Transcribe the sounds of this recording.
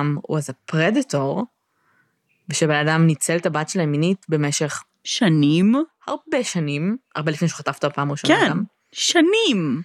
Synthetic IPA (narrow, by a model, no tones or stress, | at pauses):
mṵazapʁeditoʁ | veʃebenadamnit͡selt̪abatʃelajeminitbe̞meʃeχ | ʃanimhaʁbeʃanima̰ʁbelifneʃu̥χat̪aft̪apaːmʁiʃoeam | ʃanim